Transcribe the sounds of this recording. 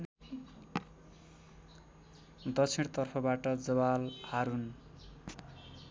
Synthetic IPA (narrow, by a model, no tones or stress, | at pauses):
d̪ʌt͡sʰiɽt̪ʌrpʰʌbaʈʌd͡zʌbalhaɾun